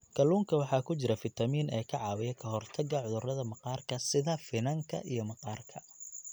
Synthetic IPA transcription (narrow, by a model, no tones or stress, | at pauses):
kʰɐluːŋkʰɐwɑħɑːkʰʊt͡ʃɪɾɐfɪt̪ʰɐmiːnʔɛːkʰɐʕɑːwɪjɛkʰɐɦɔrt̪ʰɐɡɐʕʊðʊrɐðɐmɐqɑːrkʰɐsɪðɐfɪnɐŋkʰɐ̰ʔijɞmɐqɑːrkʰɐ